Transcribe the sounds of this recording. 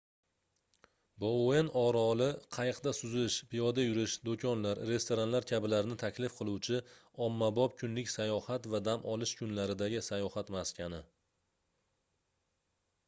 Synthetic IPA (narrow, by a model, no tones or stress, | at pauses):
booenɒɾɒlɪqʰɑjɨqd̪asʊzɪʃpʰijɒd̪ajʊɾɪʃd̪okʰʲɒnlaɾɾe̞st̪oɾanlaɾkʲʰabɪlaɾɪnɪt̪ʰakʲlɪfqʰɨlˠuwt͡ʃʰɪ | ɒmːabɒp̚kʰʊnlɪkʲsajɒhat̪vad̪amʔɒlˠɪʃkʰʊnlaɾɪd̪aɡʲɪsajɒhat̪maskʲanɪ